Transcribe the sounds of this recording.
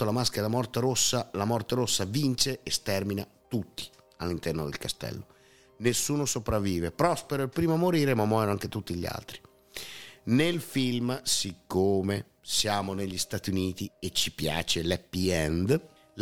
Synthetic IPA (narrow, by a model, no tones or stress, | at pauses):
olamaskeɾamɔrt̪eɾosːalamɔrt̪eɾosːavint͡ʃeest̪ɛrmina | t̪ut̪ːi̥ | alːint̪ɛrnod̪ḛlkast̪ɛ̰lːo | nesːuːnosopɾavːiːvepɾɔspeɾoilpɾiːmoamoɾiːɾemamːwɔjnoaŋk̟et̪ut̪ːiʎːa̰lt̪ɾi | nelfilmsikːoːme | sjaːmoneʎːist̪at̪iuniːt̪iet͡ʃːipja̰ːt͡ʃelɛpːiɛnd̪ | l